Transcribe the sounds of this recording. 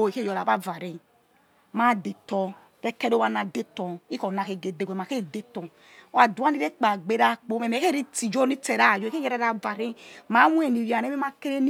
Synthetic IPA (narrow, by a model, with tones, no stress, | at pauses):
o˨ke˦˨jɔ˨ɾa˨ba˦va˨ɾi˨ | ma˦de˨tɔ˧ | ɾe˦kɛ˦ɾo˦wa˧na˨de˦tɔ˨i˦kɔ˨na˨ke˨ɡe˨de˨ɡʷɛ˨ma˨ke˦˨de˦tɔ˨˦ | a˦du˨˦a˦ni˦ɾe˦k͡pa˨ɡ͡be˨ɾa˦˨k͡po˨˦mɛ˨mɛ˨˦ke˦˨ɾi˦ti˨d͡ʒo˦ni˦te˨ɾa˦˨d͡ʒo˨ke˦jɛ˦ɾa˨˦ɾa˨va˨ɾi˦ma˨˦wu˦e˦˨ni˨ɾa˨ne˦mi˦ma˦ke˦ɾe˦n˦